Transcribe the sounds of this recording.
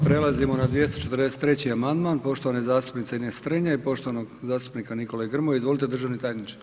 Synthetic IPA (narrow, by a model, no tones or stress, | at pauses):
pɾelazimo̞nad̪ʋjest̪ot͡ʃet̪ərd̪eset̪ːɾet͡ɕiamand̪maːnpo̞ʃt̪oʋanizaːst̪upnit̪seinest̪ɾɲaipo̞ʃt̪oʋanoɡzaːst̪u̥pnikaniko̞lejɡr̩moizʋo̞lit̪e̞d̪rʒaʋnit̪ajnit͡ʃaɾ